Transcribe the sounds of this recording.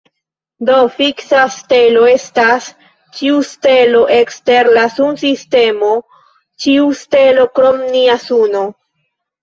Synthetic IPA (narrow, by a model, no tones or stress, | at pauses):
do̞fiksaste̞lo̞e̞stas | t͡ʃiuste̞lo̞ʔekste̞ɾlasunsiste̞mo̞ | t͡ʃiuste̞lo̞kɾomniasuno̞